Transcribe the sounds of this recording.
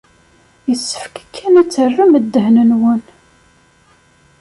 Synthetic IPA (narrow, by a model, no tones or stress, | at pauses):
jəsːə̥fkæ̥kʰːænæt͡sːərːəməd̪ːəɦnənwən